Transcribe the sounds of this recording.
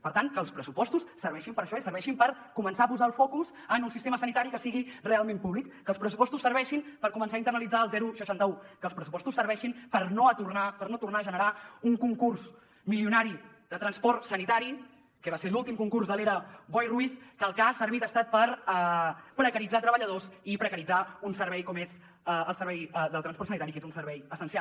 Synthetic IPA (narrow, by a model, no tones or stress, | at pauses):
pəɾt̪aŋkəːlˠspɾəsupɔst̪ussːəɾβɛʃimpəɾəʃɔisəɾβɛʃimpəɾkumənsaəpuzaəlˠfɔkuz | ənunsist̪eməsənit̪aɾikəsiɣirealˠmempuβlikːəːlˠspɾəs̬upɔst̪usəɾβɛʃimpəɾkumənsaint̪ərnəlid͡zaəlˠzɛɾusəʃant̪əukəːlˠspɾəsu̥pɔst̪usːəɾβ̞ɛʃinpəɾnot̪urnapəɾnot̪urnaəʒənəɾauŋkuŋkurz | miliunaɾi | ðət̪ɾənspɔrt̪sənit̪aɾi | kəβaseɾlulˠt̪imkuŋkurzðəleɾəβɔjruiskəlˠkasːəɾβit̪əst̪at̪̚pəɾɛpɾəkəɾid͡zat̪ɾəβəʎəðosipɾəkəɾid͡zaunsəɾβɛjkɔmez | əlˠsəɾβɛjðəlˠt̪ɾənspɔrtsənit̪aɾikezunsəɾβɛjəsənsialˠ